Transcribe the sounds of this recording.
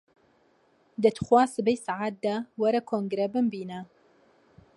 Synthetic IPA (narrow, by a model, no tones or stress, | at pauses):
d̪ɐt̪xwaːsɨbejsaʕaːt̪̚d̪awɐɾɐkʰoːŋɡɾebɨmbiːnɐ